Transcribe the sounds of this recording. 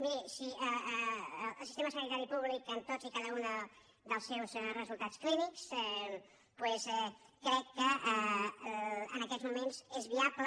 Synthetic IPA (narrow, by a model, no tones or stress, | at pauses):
miɾsiəː | lˠsist̪eməsənit̪aɾipuβlikənt̪ozikaðəunə | ðəlˠsɛwzrəzulˠt̪askliniksɛ | pwɛsɛkɾɛkːəə | ənəkɛzmumenzezβiaplə